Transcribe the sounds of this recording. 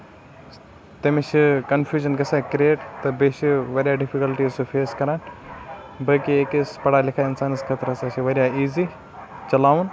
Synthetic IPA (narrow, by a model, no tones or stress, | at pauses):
t̪ɐmit͡ʃikɐnfʰjuːd͡ʒɐnɡɐsaːkɾieːʈt̪ɐbeʃiʋɐɾjaɖɪfʰikɐlʈiːzsufʰeːskɐɾaːn | bɐkieːkispɐɽaːlɪkʰaːɪnsaːnɨskʰɐt̪ɾɐsaːt͡ʃʰiʋɐɾʲjaiːzi | t͡ʃɐlaːʋun